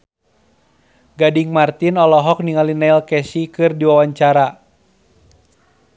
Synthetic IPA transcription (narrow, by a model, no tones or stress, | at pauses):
ɡadiŋmart̪inɔlɔɦɔk̚niŋalinailkɛsikɨrdiwawaɲt͡ʃaɾa